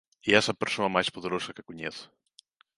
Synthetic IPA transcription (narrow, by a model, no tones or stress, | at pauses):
iɛsɐpəɾsonɐmajspoðeɾosɐkəkuɲɛθ